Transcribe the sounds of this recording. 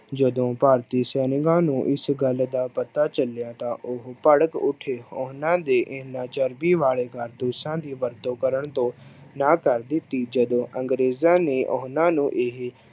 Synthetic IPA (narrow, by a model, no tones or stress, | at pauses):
d͡ʒəd̪õːpaːɾt̪iːsɛːnɪkãːnũːʔɪsɡəld̪aːpət̪aːt͡ʃəljãːt̪ãːʔʊɦpəɽəkʊʈʰeːoːɦnãːd̪eːʔɪnãːt͡ʃəɾbiːʋaːɭeːɡəɾd̪usãːd̪iːʋəɾt̪õːkəɾəɳt̪õːnãːkəɾd̪ɪt̪iːd͡ʒəd̪õːʔəŋɡɾeːzãːneːʔo̰ɦnãːnũːʔɪɦ